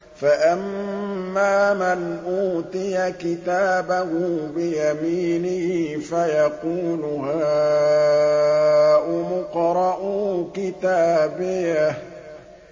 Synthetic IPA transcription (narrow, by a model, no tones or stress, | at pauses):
faʔamː | aːmanʔuːt̪ˤɪjakɪt̪aːbahʊbɪjamiːnɪfajɑquːlʊhaː | ʔʊmʊqɾˤɑʔʊkɪt̪aːbɪja